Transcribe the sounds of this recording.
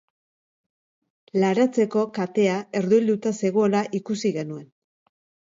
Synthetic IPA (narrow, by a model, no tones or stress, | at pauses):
laɾat͡se̞ko̞kat̪e̞ae̞ɾðuild̪ut̪ase̞ɣoolaʔikusiɣe̞nue̞n